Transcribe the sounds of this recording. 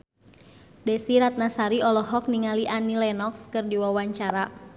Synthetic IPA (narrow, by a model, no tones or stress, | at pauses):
dɛsiɾat̪̚nasaɾiɔlɔɦɔk̚niŋaliʔanilɛnɔkskərdiwawaɲt͡ʃaɾa